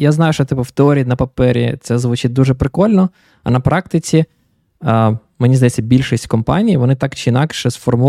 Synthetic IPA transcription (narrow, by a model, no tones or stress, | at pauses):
jaznɑjʊʃt͡ʃɔt̪ɪpʊwt̪eɔɾʲiːnɐpɐpɛɾʲḭt̪sɛzʋʊt͡ʃɪt̪̚ʲd̪uʒɛpɾɪkɔlʲnɔ | ɐ̰nɐpɾɑk̚t̪ɪt͡sʲi | menʲizd̪ɐjɛt͡sʲːɐbʲilʲʃisʲtʲkɔmpɑ̰nʲijiʋɔnɪt̪ɑkt͡ʃɪɪnɑkʃɛsfɔrmu